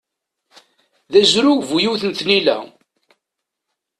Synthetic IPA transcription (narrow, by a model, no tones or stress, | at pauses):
ðæzɾuvujuwθənt̪nilæ̰